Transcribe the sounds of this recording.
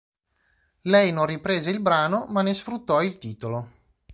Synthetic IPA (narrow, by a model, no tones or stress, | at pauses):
lɛjnonrːipɾeːzeilbɾaːnomanːesfɾut̪ːɔilt̪iːt̪olo